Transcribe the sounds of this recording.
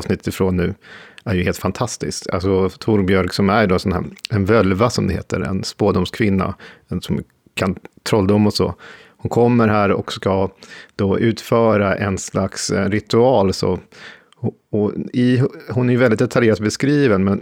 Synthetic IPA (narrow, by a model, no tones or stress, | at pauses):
snɪt̪ːət̪ɪfɾoːnːʉ̟ːæɾjɵheːlt̪fant̪ʰast̪ɪ̰ska̰lsɔt̪ʰʊɾbjœɾksɔmæɖɔsɔnæ̰ːɛnvœlvasɔmd̪ɛhḛːt̪ʰə̰ɾɛ̰nspoːd̪ʊmskʰvɪnːa̰ɛnsɔm | kʰant̪ʰɾɔlːd̪ʊmːɔsɔ̰hʊnkʰɔmːəɾɦæːɾɔkskad̪̥oːʔʉ̟ːt̪fœːɾaʔɛnslaksɾɪt̪ɵɑːlsɔ̰ | h | ɔɪhʊnæɾjɵvɛlɪt̪̚d̪ɛt̪ʰaljeːɾat̪̚bɛskɾiːvənmɛn